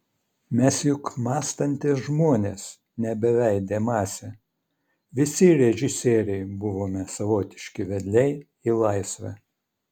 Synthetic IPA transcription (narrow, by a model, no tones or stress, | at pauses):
mʲɛsjʊkmɑːst̪ɐnʲt̪ʲɪsʒmuɔnʲeːs | nʲɛbʲɛʋʲæɪd̪ʲeːmɑːsʲɛ | ʋʲɪsʲɪɾʲɛʒʲɪsʲeːɾʲɛɪbʊʋoːmʲɛsɐʋoːt̪ʲɪʃʲkʲɪʋʲɛd̪ʲlʲɛɪ | ilˠɐɪsʲʋʲɛ̰